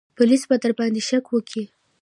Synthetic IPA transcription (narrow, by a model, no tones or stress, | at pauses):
pʊlisbad̪əɾbɑnd̪eʃakwəkʰi